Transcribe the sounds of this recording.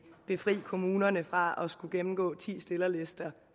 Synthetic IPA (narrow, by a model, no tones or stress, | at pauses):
b̥e̝fʁḭːkʰo̝muːnɐnəfʁɑ̈ɒ̽sɡ̥uɡ̥emm̩ɡ̥ɔ̰̽ːt͡sʰḭːsd̥e̝lɐle̝sd̥ɐ